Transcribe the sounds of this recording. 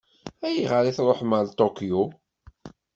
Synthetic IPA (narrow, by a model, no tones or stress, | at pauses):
æjəʁəɾiθɾˤoħməlt̪ˤokju